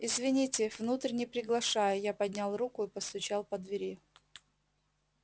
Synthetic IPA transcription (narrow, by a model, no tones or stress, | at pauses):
ɪzvʲɪnʲitʲɪvnut̪ɾʲɪnʲɪjpɾʲɪɡlˠɐʂajʊjapɐd̪ʲnʲalˠrukʊɪpəst̪ʊt͡ɕalˠpəd̪vʲɪɾʲi